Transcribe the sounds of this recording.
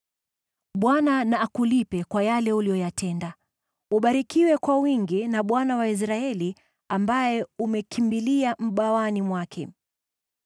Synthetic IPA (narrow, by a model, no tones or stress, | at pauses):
ɓwananaːkulipɛkwajalɛulijɔjatʰɛnda | uɓaɾikiwɛkwawiŋɡinaɓwanawais̬ɾaɛli | ambajɛumɛkʰimbiliam̩ɓawanimwakʰɛ̰